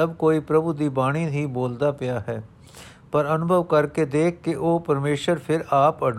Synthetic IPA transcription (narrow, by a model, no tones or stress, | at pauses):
ɐbkoːipɾɐbud̪iːbaːɽ̃id̪ʱiboːld̪aːpɪjaːɦɛː | pɐɾɐnʊbʱəʋkɐɾked̪eːkʰkːeʔoːpɐɾmeːʃəɾpʰɪɾaːpɐɖ